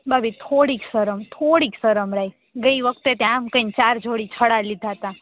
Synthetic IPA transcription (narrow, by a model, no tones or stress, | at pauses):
babit̪ʰoɽiksəɾəmt̪ʰoɽiksəɾəmɾai | ɡəiʋək̚t̪et̪jãmkə̃nt͡ʃaɾd͡ʒʱoɽit͡ʃʰəɽalid̪ʱaɦət̪a